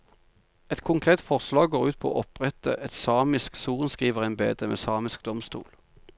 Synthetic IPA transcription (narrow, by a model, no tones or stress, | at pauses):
ɛt̪kʰʊŋkʰʁeːt̪fɔʁslɑːɡɡoːʁʉːt̪̚pʰo̰ːʔɔpʁɛt̪ə̰ʔɛt̪sɑːmɪsksuːʁənskʁiːʋəʁæɪnbḛːd̪əmḛːsɑːmɪskd̪ɔmst̪ṵːl